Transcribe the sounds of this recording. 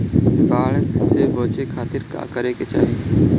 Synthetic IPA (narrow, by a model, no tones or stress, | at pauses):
baːɭkseboːt͡ʃeːkʰaːt̪ɪɾka̰ːkəɾeːket͡ʃa̰ːɦiː